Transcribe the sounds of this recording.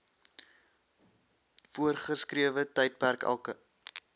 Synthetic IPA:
fuərχəskɾiəvətəjt̚pærkæ̰lˠkə

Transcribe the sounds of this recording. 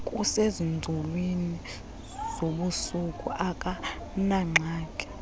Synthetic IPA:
kʼusezind͡zʱulwini | zoɓusukʼṵʔakʼa | naŋ͡ǁʱaːkʼɛ̥

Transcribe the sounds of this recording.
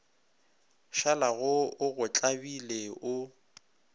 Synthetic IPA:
ʃalaɣʊʊɣʊt͡ɬʼabileʊ

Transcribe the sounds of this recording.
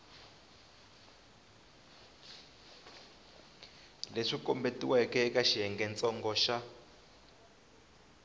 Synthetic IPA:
leʂikɔmbetiwɛkɛkaʃiɛŋɡɛnt͡sʼɔŋɡɔʃa

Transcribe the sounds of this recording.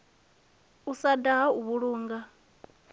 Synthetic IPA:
usadaɦauβuɺuːŋɡa

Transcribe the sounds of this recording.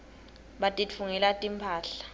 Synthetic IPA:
ɓatʼit͡fʰuŋɛlatʼimpʰaːɬḁ

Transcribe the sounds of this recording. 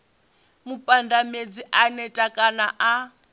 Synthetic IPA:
mupʼandamed͡ziʔanɛtʼakʼanaʔa

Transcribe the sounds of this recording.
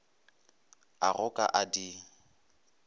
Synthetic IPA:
arʊkʼa̰ʔadi

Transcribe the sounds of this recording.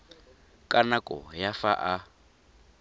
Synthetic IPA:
kʼanakʼɔ̰jafaʔa

